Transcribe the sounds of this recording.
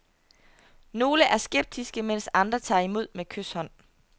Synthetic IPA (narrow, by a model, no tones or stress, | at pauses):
no̝ːləʔæɐsɡ̥eb̥̚d̥isɡ̥əmen̰sɑ̈nd̥ʁɐt͡sʰɑ̰̈ːimo̝ð̞̰ˠmekʰøshɒ̽n̰